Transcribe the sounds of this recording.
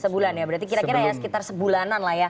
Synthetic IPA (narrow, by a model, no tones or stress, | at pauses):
səbulanjabəɾat̪ikiɾakiɾajasə̥kit̪arsəbulananlahja